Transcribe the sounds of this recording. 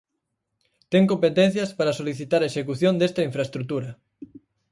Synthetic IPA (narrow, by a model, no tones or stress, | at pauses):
t̪eŋkompet̪ẽn̟θjɐspaɾɐsoliθit̪aɾɐeʃekuθjond̪est̪ɐiɱfɾaest̪ɾut̪uɾɐ